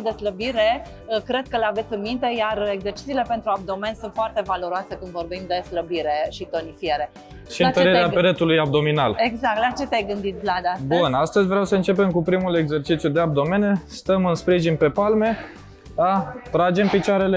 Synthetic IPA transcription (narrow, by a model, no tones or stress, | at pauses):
d̪e̞sləbiɾe̞ | kɾe̞d̪̚kəleave̞t̪sʲɨnmint̪e̞jareɡze̞rt͡ʃit̪siːlepe̞nt̪ɾuab̚d̪o̞me̞nsunt̪foart̪e̞valo̞ɾoase̞kɨnd̪vo̞rbimd̪e̞sləbiɾe̞ʃit̪o̞nifieɾe̞ | ʃiɨnt̪əɾiɾeapeɾet̪ulujab̚d̪o̞minaleɡzak̚t̪lat͡ʃe̞t̪eajɡɨnd̪it̪vlad̪abunast̪əzʲvɾeawsəɨnt͡ʃe̞pe̞mkupɾimule̞ɡze̞rt͡ʃit̪sjud̪eab̚d̪o̞me̞nest̪əmɨnspɾiʒinpe̞palme̞ | at̪ɾad͡ʒe̞mpit͡ʃaɾele